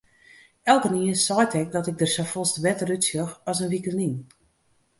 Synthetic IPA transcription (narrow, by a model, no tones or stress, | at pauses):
ɛlˠkəniənsɔjtʰɛk̚dɔtɪk̚ɡ̚dərsɔfɔlˠstʋɛtərytsjɔxɔsənʋikəlin